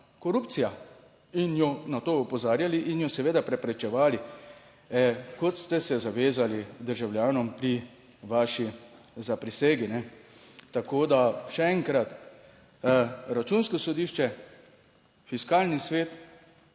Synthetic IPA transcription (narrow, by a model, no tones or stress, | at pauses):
kɔɾupt̪sija | injɔnat̪oːɔpɔzaːɾjaliʔinjɔsɛʋeːd̪apɾɛpɾɛt͡ʃɛʋaːli | ɛkɔt̪st̪ɛsɛzaʋeːzalid̪əɾʒawljaːnɔmpɾi | ʋaːʃizapɾiseːɡinɛ | t̪akoːd̪aʃɛɛŋkɾat̪ | ɾat͡ʃuːnskɔsɔd̪iːʃt͡ʃɛ | fiskaːlnisʋeːt̪